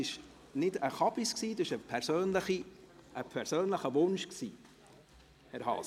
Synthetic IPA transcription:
ɪʃ | nɪdəχɑbisksiːd̥̪oɪʃəpʰɛɾsøːnləχiʔəpʰɛɾsøːnləχəvʊnʃksḭː | hɛɾɦɑ̰ːs

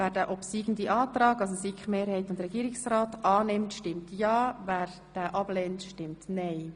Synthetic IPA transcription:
væːɾdæːʔɔpsiːɡn̩diʔɑːtrɑːɡɑs̬osikχmeːɾhɛɪtʊndɾɛɡiːɾɪksrɑːtɑːnɪmtʃtɪmtjɑːvæːɾ | d̥æːʔɑb̥lɛːntʃtɪmtnɛɪ

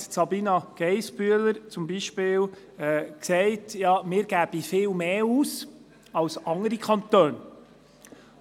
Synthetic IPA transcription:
sɑbiːnɑɡ̥ɛɪsbyələɾt͡sʊmbiʃpɪːl | ɛksɛɪtjɑːmɪːɾɡ̥æb̥ifɪːlmeːuːs | ɑwsɑŋəɾikχɑnt̪øːn

